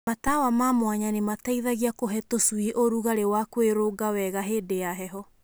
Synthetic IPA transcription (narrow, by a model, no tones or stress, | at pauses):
matawamamwaɲanemataiðaɣiakoɦɛtosuiʔoɾuɣaɾewakweɾoɡawɛɣaɦeːdejaɦɛɦɔ